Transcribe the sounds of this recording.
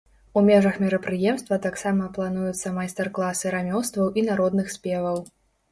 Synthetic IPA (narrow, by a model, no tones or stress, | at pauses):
umʲɛʐɐxmʲiɾɐpɾɨjɛmst̪vɐt̪aksamɐplˠanujut̪sːɐmajst̪ɐrklˠasɨɾamʲɔwst̪vɐwʔinaɾɔd̪nɨxsʲpʲɛvɐw